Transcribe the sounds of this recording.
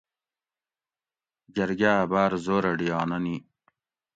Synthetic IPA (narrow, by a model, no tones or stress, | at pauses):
d͡ʑɐɾɡaːbaːɾzoːɾɐɖijɑːnɐni